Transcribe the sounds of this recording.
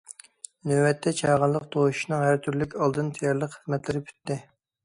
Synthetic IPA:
nøwɛt̪ʰːɛt͡ʃʰɑːʁəlˠːəqt̪ʰoʃʃnɨŋɦæɾt̪ʰyɾlykʲɑlˠd̪ɨnt̪ʰɛjɑɾlˠəqχəzmɛt̪lɪɾɪpʰy̥t̪ːɪ

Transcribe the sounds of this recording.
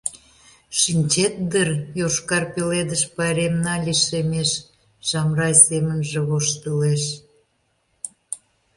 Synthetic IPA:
ʃinʲt͡ɕet̪̚d̪ərjoʃkɑrpeled̪əʃpɑɾʲemnɑlʲiʃemeʃ | ʒɑmrɑjsemənʒĕβoʃt̪əleʃ

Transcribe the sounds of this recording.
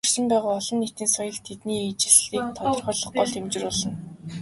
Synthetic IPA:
rsɘ̆mpæːʁaːɔɮɞ̆nːet̪ĭːnsɔjɞ̆ɮt̪ʰet̪niːit͡ɕɪ̆ɮɮiːk̚t̪ʰɔt̪ɞ̆rχœːɮɞ̆χɢɔɮt̪ʰemt͡ɕɪ̆rʊːɮɞ̆n

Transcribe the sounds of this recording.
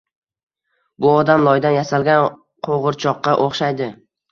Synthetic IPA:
bʊɒd̪amlˠɒjd̪anjasalɡʲan | qʰoʁɨɾt͡ʃʰɒqːɑʔoχʃajd̪ɪ

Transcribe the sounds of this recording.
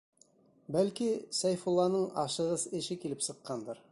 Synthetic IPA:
bælkisæjfulːˠɑnɤɴɑʃɤ̆ʁɤzɘ̆ʃɘkilɘpsɤ̆qːɑnd̪ɤɾ

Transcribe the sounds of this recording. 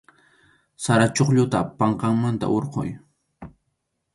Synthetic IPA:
saɾat͡ʃoχʎʊt̪apɑɴqɑŋmant̪a̰ʔoɾqo̰j

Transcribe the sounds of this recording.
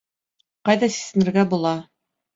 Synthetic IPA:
qɑjðɑsi̥sɘ̆nɘ̆ɾɡæbulˠɑ

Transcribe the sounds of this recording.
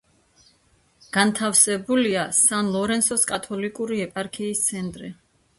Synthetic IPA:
ɡ̥ant̪ʰafsɛbuliasanlˠɔɾɛnsɔskʼat̪ʰɔlikʼuɾiɛpʼaɾkʰiːst̪sʰɛnt̪ʼɾi

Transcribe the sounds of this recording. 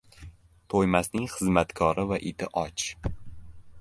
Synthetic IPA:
t̪ʰojmasnɪŋχɨzmat̪kʰɒɾɪvaʔɪt̪ɪʔɒt͡ʃ

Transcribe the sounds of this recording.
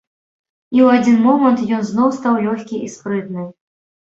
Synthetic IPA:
iwad͡zʲinmɔmɐnt̪jɔnznɔwst̪awlʲɔxʲkʲiʔispɾɨt̪̚nɨ

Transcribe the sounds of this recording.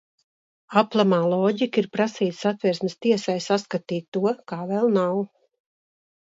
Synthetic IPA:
aplˠamaːlˠɔːɟikiɾpɾasiːt̪sat̪vʲɛɾsmɪst̪iɛsajsaskat̪iːt̪ːuɔkaːvɛlˠnaw

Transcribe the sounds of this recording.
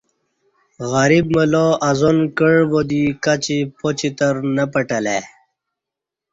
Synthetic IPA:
ɣaɾib̚məloʔazonkəɻbod̪ikat͡ɕipot͡ɕit̪əɾnəpəʈəle

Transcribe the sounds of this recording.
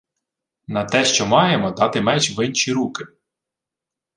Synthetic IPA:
nɐt̪ɛʃt͡ʃɔmɑjemɔd̪ɑt̪ɪmɛt͡ʃʋɪnʃiɾukɪ

